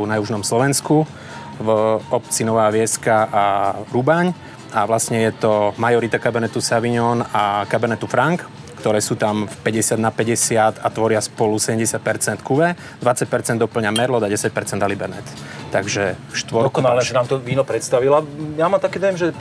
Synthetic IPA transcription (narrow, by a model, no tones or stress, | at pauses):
unajuʒnɔmslɔʋɛnsku | vɔpt͡sinɔʋaːʋɪɛskaʔaɾubaɲ | aʋlasɲɛjɛt̪ɔmajɔɾit̪akabɛnɛt̪usaʋiɲɔnakabɛnɛt̪ufɾaŋk | kt̪ɔɾɛːsuːt̪amfpɛɟɛsɪad̪napɛɟɛsɪat̪at̪ʋɔɾɪaspɔlusɛɟɛmɟɛsɪat̪̚pɛɾt͡sɛnt̪kuʋɛ | d̪ʋat͡sac̚pɛɾt͡sɛnd̪ɔpl̩ɲamɛɾlɔd̪aɟɛsac̚pɛɾt͡sɛnd̪alibɛɾnɛt̪t̪aɡʒɛfʃt̪ʋɔɾklɛnaːmt̪ɔʋiːnɔpɾɛt̪st̪aʋilajamaːmt̪akɛːd̪ɔjɛmʒɛ